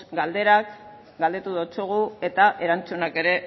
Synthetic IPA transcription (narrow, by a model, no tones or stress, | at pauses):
ɡald̪e̞ɾak | ɡald̪et̪uðot͡soɣ̞ue̞t̪aʔe̞ɾant͡sunake̞ɾe̞